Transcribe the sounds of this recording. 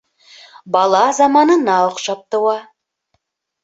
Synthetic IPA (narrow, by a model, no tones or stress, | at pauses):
bɑlˠɑzɑmɑnənɑoqʃɑp̚t̪əwɑ